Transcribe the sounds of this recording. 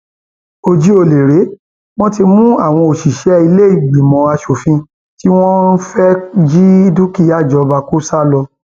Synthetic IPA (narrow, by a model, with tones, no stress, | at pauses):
o˧d͡ʒi˦o˧le˨ɾe˨˦ | w̃ɔ̃˦ti˧mũ˦a˦˨w̃ɔ̃˧o˨ʃi˨ʃɛ˨˦i˧le˦i˦˨ɡ͡bi˨mɔ̃˨˦a˧ʃo˨fĩ˧ | ti˦w̃ɔ̃˦fɛ˦d͡ʒi˦du˦ki˦˨ja˦˨d͡ʒɔ˨˧ba˧ku˦sa˦lɔ˧